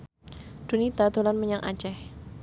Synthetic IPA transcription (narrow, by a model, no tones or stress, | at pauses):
d̪̥ṳnit̪ad̪̥o̤lanməɲaŋʔa̰̥t͡ʃɛh